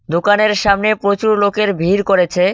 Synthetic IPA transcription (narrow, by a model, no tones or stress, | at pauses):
d̪okaneɾʃamnepɾot͡ɕuɾlokeɾbʱiɾkoɾet͡ɕʰe